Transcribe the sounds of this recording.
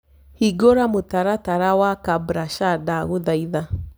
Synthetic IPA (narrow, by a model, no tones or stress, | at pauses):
hiɡoɾamotaɾataɾawakabɾaʃadaɣuðaiða